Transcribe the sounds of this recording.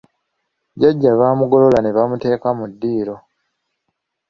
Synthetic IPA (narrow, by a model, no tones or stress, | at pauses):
ɟaɟːaβaːmuɡo̞lo̞lane̞βamute̞ːkamudːiːɾo̞